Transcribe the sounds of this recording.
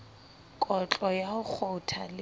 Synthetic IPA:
kʼɔt͡ɬʼɔjaʊk͡xʰʊtʰa̰l

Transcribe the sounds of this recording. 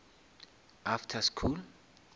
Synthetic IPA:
aftʰaskʰul

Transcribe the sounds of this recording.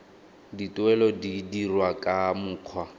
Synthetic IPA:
ditʼwɛlɔdidirwakʼamʊːq͡χʰwa

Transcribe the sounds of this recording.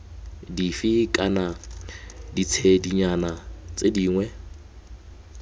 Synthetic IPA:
difikʼana | dit͡sʰediɲanat͡sʼediːŋwɛ

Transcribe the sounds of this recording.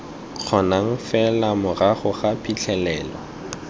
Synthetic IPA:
q͡χʰɔnaŋ̩fɛlamʊraχʊχapʰit͡ɬʰɛlɛːlɔ̰

